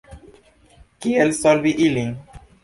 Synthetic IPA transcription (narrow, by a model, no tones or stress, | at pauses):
kiɛlsɔlbiʔilĩŋ